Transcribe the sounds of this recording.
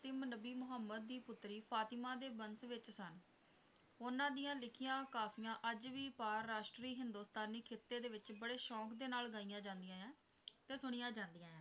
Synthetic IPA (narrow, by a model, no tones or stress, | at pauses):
t̪eːmənəbiːmʊɦəmːəd̪ːiːpʊt̪ːɾiːpʰaːt̪ɪmãːd̪eːbənsʋɪt͡ʃsən | ʊnãːd̪ijãːlɪkʰɪjãːkaːpʰijãːʔəd͡ʒʋiːpaːɾːaːʃʈɾiːɦɪnd̪oːst̪aːniːkʰeːt̪ːeːd̪eːʋɪt͡ʃbəɽeːʃɔ̃ːkd̪eːnaːlɡaːijãːd͡ʒãːnd̪ɪjãːjãː | t̪eːsʊɽ̃ijãːd͡ʒãːnd̪ɪjãːjãː